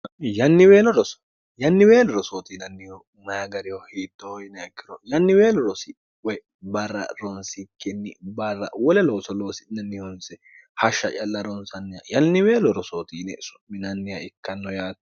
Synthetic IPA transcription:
jɐnːɪweːlɔɾɔs | jɐnːɪweːlɔɾɔsoːt̪iːnɐnːɪhɔ | mɐaɡɐɾɪhɔhiːt̪ːojɪnɛɐkːɪɾɔjɐnːɪwe̞ːlɔɾɔsɪ | wɛ | bɐrːɐ̰ɾɔnsɪkːɛnːɪbɐrːɐ̰wɔlɛlo̞ːsɔloːsɪnɐnːɪhɔnsɛ | hɐʃːɐt͡ʃʼɐlːɐɾɔnsɐnːɪjɐ̰jɐnːɪweːlɔɾɔsoːt̪iːnɛsʊ̥mːɪnɐnːɪjɐɪkːɐnːɔjaːt̪

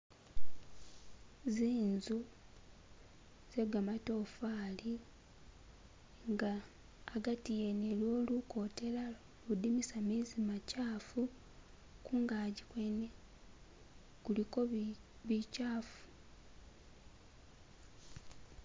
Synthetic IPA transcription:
ziːnzu | z̥e̞ɡamato̞ːfaːli | ŋɡaː | ɡatijenelo̞ːluko̞ːte̞la | ludimisamizimacaːfu | kuːŋɡaɟikwene | kulikoβicaːfu̥

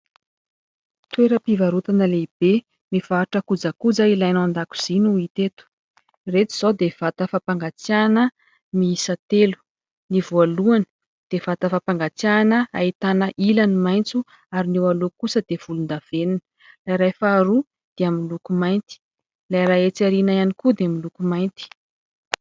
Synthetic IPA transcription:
t̪weɾəpivaɾut̪anəleb̥e | miv̥aːʈ͡ʂəkud͡zakud͡zailajnand̪aku̥z̥inuit̪et̪u̥ | ret̪iz̥od̪ev̥at̪əfapaŋɡat͡sjanə | miisət̪elu̥ | nivoaluanə̥ | d̪̥ev̥at̪əfapaŋɡat͡sjanəa̰it̪anəʔilanimajnt͡su | aɾiniwalukusəd̪̥ev̥ulund̪av̥eninə̥ | lajɾajfaːɾu | d̪̥eaminlukumajnt̪i̥ | lajɾaet͡saɾinajanikud̪eamilukumajnt̪i̥

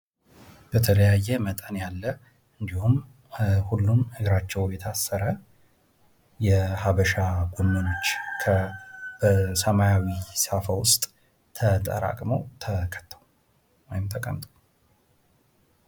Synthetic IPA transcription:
b̥ət̪ʰələjajːɛmət̪ʼənjalːə | ɨnd̪ihum | hulːumɨɡɾat͡ʃːɛwjɛt̪ʰasːəɾə | jɛhaβəʃaɡonːono̞t͡ʃːkʰəbəsəmajawisafəwʊst̪ʼ | t̪ʰət̪ʼə̰ɾa̰kʼməwt̪ʰəkʰə̥t̪ːə̥w | wojɪmt̪ʰəkʼə̰mt̪ʼə̥w

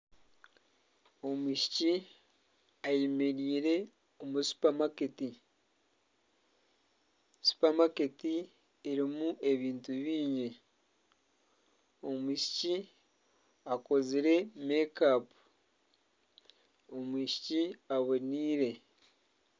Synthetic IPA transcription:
o̞miʃi̥ci | ajemeɾiːɾe̞ | omusu̥pamaketi | su̥pamaketiː | ɾimue̞βiːntuβiːɲe | o̞muʃi̥ci | ako̞ziɾe̞mekapu̥ | omwiʃi̥ciaβoniːɾe̞

